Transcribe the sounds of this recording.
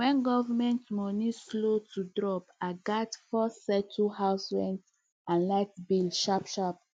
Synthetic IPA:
wɛ̃nɡɔvamɛ̃ntmɔnislotʰudɹɔpaɪɡatfɔsɛtʰuhaʊsɹɛ̃nt | ãnlaɪtbilʃapʃap̚

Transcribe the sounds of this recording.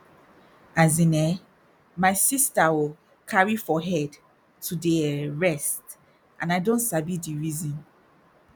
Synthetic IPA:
azĩnɛ | maɪsistawi | kʰaɹifɔɦɛd | tʰudeɹɛst | ʔãnaɪdõntsabidiɹizɔ̃n

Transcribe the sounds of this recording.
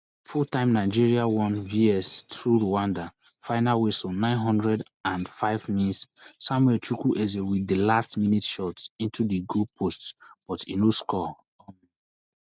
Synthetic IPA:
futãɪ̃mnaɪd͡ʒiɹiawɔ̃nviɛstʰuɹoãnda | faɪnalwesonãɪ̃nɦɔ̃ndɹɛd | ãnfaɪvminitsːɔ̃mwɛt͡ʃɹukuʔɛzewidəlastminitʃɔtĩntudiɡopʰostb̥ɔtḭnoskɔ | ɔ̃ni

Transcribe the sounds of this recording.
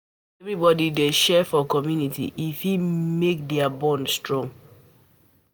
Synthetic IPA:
ɛvɾibɔdideʃɛfɔkɔmjunitḭʔifhimek̚dɛabɔ̃nstɹɔ̃ŋ

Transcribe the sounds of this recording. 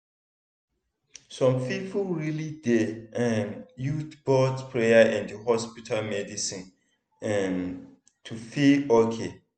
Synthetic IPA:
sɔ̃mpʰipʰulɹilidɛɛmjutbɔdspʰɹejaɛ̃ndəhɔspitʰalmɛdisĩn | ɛm | tʰufilokʰe

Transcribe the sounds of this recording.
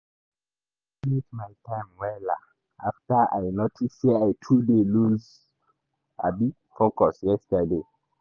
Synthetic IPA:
nitmajtʰãɪmwɛla̰ | aftəʔa̰jnotʰisiajtʰudeluz | a̰bi | fokɔsjɛstəde

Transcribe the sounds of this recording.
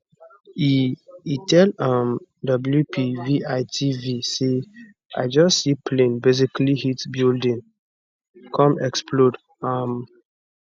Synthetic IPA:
iitʰɛlamdɔbljupʰiviʔaɪtʰivise | a̰ɪd͡ʒɔsːipʰlẽnbez̬iklihitbildĩn | kʰɔ̃mɛkspʰlod | ãm

